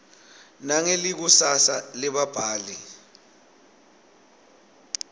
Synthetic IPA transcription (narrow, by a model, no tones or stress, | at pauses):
naŋelik̬usasaliɓab̥ʱaːli